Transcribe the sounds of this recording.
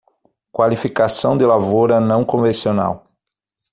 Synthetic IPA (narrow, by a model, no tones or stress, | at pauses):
kwalifikasɐ̃w̃d̪ɪlavoɾɐnɐ̃w̃kõvẽsiona̰w